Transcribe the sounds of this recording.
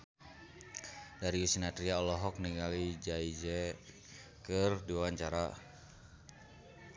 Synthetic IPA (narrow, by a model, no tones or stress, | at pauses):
daɾiusinat̪ɾiaɔlɔɦɔk̚niŋalid͡ʒaid͡ʒɛ | kərdiawaɲt͡ʃaɾa